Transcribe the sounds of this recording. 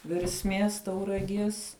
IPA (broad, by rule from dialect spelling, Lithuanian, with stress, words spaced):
ʋʲɛrʲsʲˈmʲiɛs tɐʊrɐˈɡʲiɛs